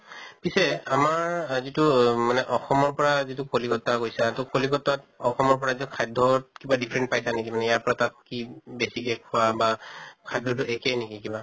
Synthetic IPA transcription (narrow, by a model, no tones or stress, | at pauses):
pisɛamaɹzitʊmanɛʔɔxɔmɔɹpɔɹazitukolikɔtakojsatʊkolikɔtatɔxɔmɔɹpɔɹazitukʰajdʱɔtkibadipʰɹɛnt̚pajsanekimanɛjaɹpɔɹatakkibesikɛkʰɔabakʰajdʱɔt̬ʊʔekɛjnekikiba